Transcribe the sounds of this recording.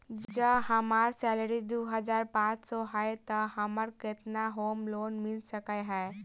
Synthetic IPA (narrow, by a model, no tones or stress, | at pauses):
d͡ʒd͡ʒəbɦɐmaːɾsɛːləɾid̪oːɦəzaːɾpãːt͡ʃsɔɦaet̪əɦɐməɾkɪt̪naɦoːmloːnmɪlsəkaɦɛː